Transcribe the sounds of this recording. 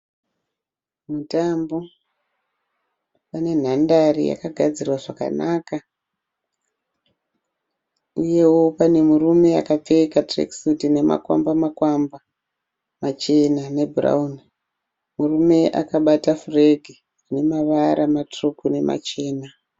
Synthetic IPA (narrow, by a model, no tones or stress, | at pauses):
mutambo̞ | pane̞n̤andarḭja̰kaɡʱad͡zirwaʐaka̰naka | uje̞wo̞pane̞murume̞akap͡fekatrḛksutine̞ma̰kwa̰mbamakwamba | mat͡ʃe̞nane̞bʱura̰uni | murume̞ʔa̰kaɓatafureɡʱi | ne̞maʋaɾamatrukune̞ma̰t͡ʃe̞ːna